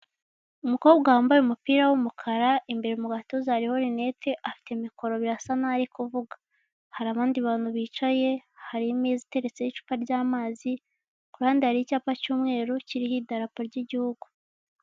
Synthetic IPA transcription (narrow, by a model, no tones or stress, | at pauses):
umuko̞bɡahaːmbajemupiːɾawumukʰaɾaimbe̞ɾeumuɡato̞zaɾiho̞ɾine̞teʔafi̥te̞miko̞ɾo̞βiɾasanaːɾikuvuɡḁ | haɾaβaːndiβaːnhuβiːt͡ʃaje̞haɾimizite̞ɾe̞t͡se̞jit͡ʃu̥paɾɟaːmaːzi | kuɾhaːndihaɾiicaːpacuːmŋe̞ːɾociɾihidaɾapoɾɟiɟihuɡu̥